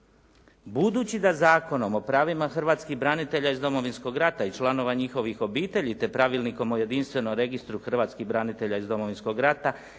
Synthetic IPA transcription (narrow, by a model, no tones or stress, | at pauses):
bud̪uːt͡ɕid̪azaːko̞no̞mo̞pɾaːʋimaxr̩ʋaːt̪skiɣbɾanit̪e̞ʎaizd̪o̞mo̞ʋinsko̞ɡɾat̪ait͡ʃlˠano̞ʋaɲixo̞ʋixo̞biːt̪e̞ʎit̪e̞pɾaʋilniko̞moje̞d̪inst̪ʋe̞no̞mɾe̞ɡist̪ɾuxr̩ʋaːt̪skiɣbɾanit̪e̞ʎaizd̪o̞mo̞ʋinsko̞ɡɾat̪a